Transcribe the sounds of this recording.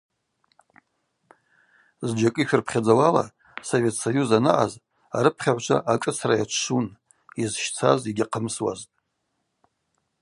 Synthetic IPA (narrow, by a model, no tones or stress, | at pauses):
zd͡ʒakʼiʃᶣʊrpʰχʲad͡zawala̰ | so̞ve̞tʰsajuzanɨ̰ʔaz | aɾɨpʰχʲaʕʷt͡ʃʷʰa̰ʔakʼɨt͡sʰrajat͡ʃʷʰʃun | izʃt͡sʰaziɡʲaqʰəmswa̰ztʼ